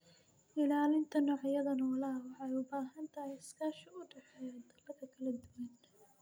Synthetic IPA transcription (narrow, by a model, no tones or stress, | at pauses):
ɪlaːlɪnt̪ʰɐnɔːʕjɐðɐnɐwɑlawɑħɑjʊbaːɦɐnt̪ʰɐɦɛjɪskʰaːʃɐʊɖɛħɛːd̪ɐbɐkɐkʰɐlɐd̪ʊwɐn